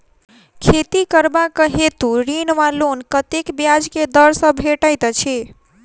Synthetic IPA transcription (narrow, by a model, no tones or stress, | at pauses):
kʰet̪ikəɾbakəɦet̪uɾinʋalonkət̪ekbjad͡ʒked̪əɾsə̃bʱeʈəjt̪t͡ʃʰi